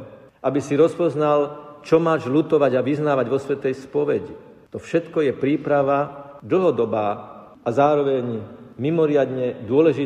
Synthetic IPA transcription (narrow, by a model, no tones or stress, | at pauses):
ʔabisiɾɔspɔznalt͡ʃɔmaːʒlut̪ɔʋaɟaʋiznaːʋaɟʋɔsʋɛt̪ɛjspɔʋɛɟi | t̪ɔfʃɛt̪kɔjɛpɾiːpɾaʋad̪l̩ɦɔd̪ɔbaː | azaːɾɔʋɛɲmimɔɾɪad̪ɲɛd̪ʊɔlɛʒi